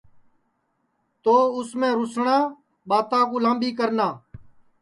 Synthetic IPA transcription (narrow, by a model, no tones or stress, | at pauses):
t̪oːʊsmẽːɾʊsɳãː | ɓaːt̪ãːkuːlãːmbiːk̬əɾnaː